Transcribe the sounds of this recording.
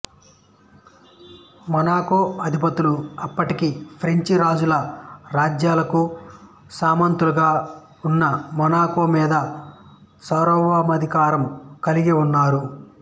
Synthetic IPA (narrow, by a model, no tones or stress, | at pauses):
mɐnaːkoːɐd̪ʱipɐt̪ːuluɐpːɐʈikipʰɾeɲt͡ʃiɾaːd͡ʒulɐɾaːd͡ʒjaːlɐku | saːmɐnt̪uluɡaː | unːɐmɐnaːkoːmiːd̪ɐ | sɐɾɔʋamɐd̪ʱikaːɾɐmkɐliɡiunːaːɾu